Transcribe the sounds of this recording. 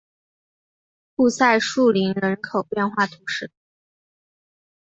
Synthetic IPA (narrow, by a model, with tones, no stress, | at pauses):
pu˥˧sa˥˧ɪʂu˥˩li˧˥nɻə˧˥nkʰo˨˩ʊpjɛ˥˧nxwa˥˩t̪ʰu˧˥ʂɻ̩˥˩